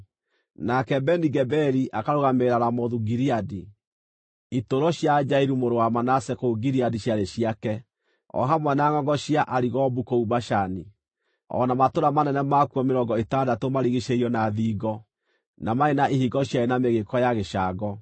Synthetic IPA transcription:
nakɛbɛniɡɛbɛɾiʔakaɾoɣameɾaɾamɔðuɡiɾiadi | itoɾɔɕjad͡ʒaiɾumoɾowamanasɛkouɡiɾiadiɕaɾeʃiakɛ | ɔ̰ɦamwɛnaŋɔŋɡɔɕiaʔaɾiɣɔbukoubaʃani | ɔ̰namatoɾamanɛnɛmakuɔmeɾɔɡɔetadatomaɾiɣiʃeiɔnaðiːɡɔ | namaenaʔihiɡɔɕjaenameɣekɔjaɣeʃaːɡɔ

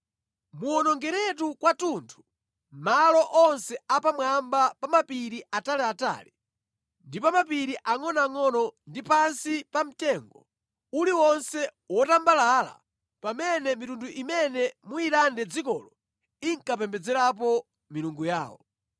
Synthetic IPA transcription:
muɔnɔŋɡɛɾɛt̬ukwatuntʰu̥ | malɔʔɔnsɛapamwambapamapiɾiʔatalɛata̰ːlɛ | ndipamapiɾiʔaŋɔnaŋɔnɔndipansipam̩tɛŋɡɔ̰ | uliwɔnsɛwɔtambalaːla̰ | pamɛnɛmitunduʔimɛnɛmuiɾandɛd͡zikɔlɔ | iŋkap̬ɛmbɛd͡zɛɾap̬ɔ | miluŋɡuja̰ːwɔ

